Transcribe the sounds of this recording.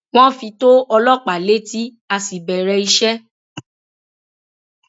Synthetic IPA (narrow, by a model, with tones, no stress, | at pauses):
w̃ɔ̃˦fĩ˧to˦ɔ˧lɔ˦˨k͡pa˨le˦ti˦ | a˧si˨bɛ˨ɾɛ˧i˧ʃɛ˦